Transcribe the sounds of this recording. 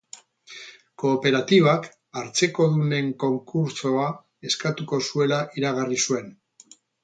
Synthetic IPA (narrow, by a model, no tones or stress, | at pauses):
ko̞ːpe̞ɾat̪iβak | aɾt͡se̞ko̞ðune̞ŋko̞ŋkuɾso̞a | e̞skat̪uko̞sue̞laʔiɾaɣ̞arisue̞n